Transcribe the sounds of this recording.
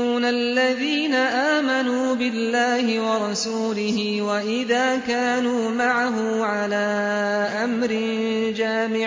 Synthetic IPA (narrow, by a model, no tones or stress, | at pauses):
uːnalːaðiːnaʔaːmanuːbɪlːaːhɪwɑɾˤɑsuːlɪhɪ | waʔɪðaːkaːnuːmaʕaɦʊ | ʕalaː | ʔamɾɪn | d͡ʒaːmɪ